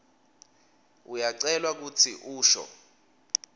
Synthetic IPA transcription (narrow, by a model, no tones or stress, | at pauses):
ujaǀɛlwak̬ut͡sʰiʔuːʃɔ̰